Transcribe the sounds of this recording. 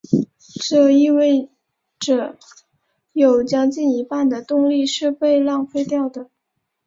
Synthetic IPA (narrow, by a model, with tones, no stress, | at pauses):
ʈ͡ʂɤ˥˧i˥˧we˥˩ɪ | ʈ͡ʂɤ˨˩ | jo˨˩ʊt͡ɕjɑ˥ŋt͡ɕi˥˩ni˧˥pa˥˩nd̪ə˩t̪ʊ˥˧ŋli˥˧ʂɻ̩˥˧pe˥˧ɪlɑ˥˩˧ŋfe˥ɪt̪jɑ˥˩ʊd̪ə˩